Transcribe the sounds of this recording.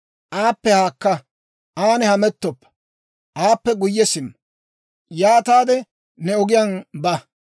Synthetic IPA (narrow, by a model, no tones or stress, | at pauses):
ʔaːpːɛhaːkːɐ | ʔaːnɛhɐmɛt̪ːɔpːɐ̥ | ʔaːpːɛɡʊjːɛsɪmːɐ | jaːt̪aːd̪ɛ | nɛɔɡɪjɐnbɐ